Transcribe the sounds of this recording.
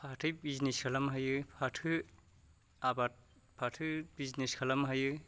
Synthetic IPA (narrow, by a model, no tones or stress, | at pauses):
pʰatʰɯjbizniskʰalamɦajɯpʰatʰɯ | abat̚ | pʰatʰɯbizneskʰalamɦajɯ